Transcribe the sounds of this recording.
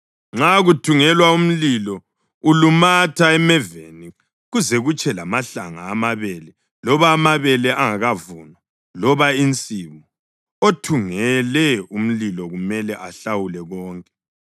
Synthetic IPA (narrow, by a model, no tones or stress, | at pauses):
ŋ͡ǁaɣutʰuŋɛlwaum̩lilɔ | ulumatʰaɛmɛvḛni | ɣuzɛɣut͡ʃʼʰɛlamaɬaŋa̰ːmaβɛlɛ | lɔβaːmaβɛlɛʔaŋaɣavunɔ | lɔβaint͡sʼiβɔ | otʰuŋɛlɛum̩lilɔɣumɛlɛʔaɬawulɛɣɔːŋkʼɛ̥